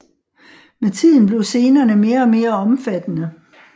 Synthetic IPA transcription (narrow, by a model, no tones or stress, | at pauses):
met͡sʰið̞̰ˠn̩b̥le̝ʊse̝ːnɐːnəme̝ːɐɒ̽me̝ːɐɒ̽mfæd̥ənə